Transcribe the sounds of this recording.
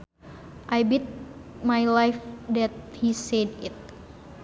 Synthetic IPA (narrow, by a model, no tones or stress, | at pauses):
ʔajbit̪̚ | majlajfdɛt̪̚hisɛdit̪̚